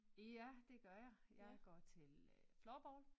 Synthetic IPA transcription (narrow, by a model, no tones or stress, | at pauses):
æd̥e̝ɡ̥ɶɐ̰jɑ̈ɪjɑ̈ɪɡ̥ɒ̰ːt͡sʰe̝lflɒːb̥ɒːl